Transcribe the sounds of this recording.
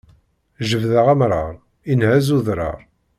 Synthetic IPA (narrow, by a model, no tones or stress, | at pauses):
ʒəvðəʁæmɾˤə̰ʁˤ | inhæzuðɾˤɑ̰ʁˤ